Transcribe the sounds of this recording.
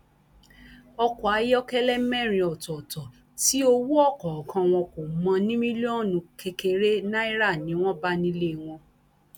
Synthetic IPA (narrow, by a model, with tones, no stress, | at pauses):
ɔ˧kɔ˨a˨˦jɔ˦kɛ˦lɛ˦mɛ̃˦˨ɾ̃ĩ˧ɔ˨tɔ˨tɔ˨ | ti˨˦o˧wu˦ɔ˦˨kɔ˨kʰã˧w̃ɔ̃˧ko˨mã˧nĩ˦mĩ˦le˦ɔ˦˨nũ˨˧kʰe˧ke˧ɾe˦nã˦i˦ɾa˦˨nĩ˨˦w̃ɔ̃˦ba˦nĩ˦le˦˨w̃ɔ̃˧